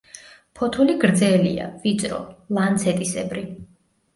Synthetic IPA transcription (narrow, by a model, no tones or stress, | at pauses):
pʰɔt̪ʰuliɡɾd̪zɛlḭa̰vit̪sʼɾɔ̰lant̪sʰɛt̪ʼisɛbɾi